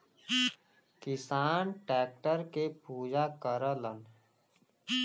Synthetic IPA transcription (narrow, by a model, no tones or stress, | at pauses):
kɪsaːnʈɛːk̚ʈəɾkepuːd͡ʒakəɾələn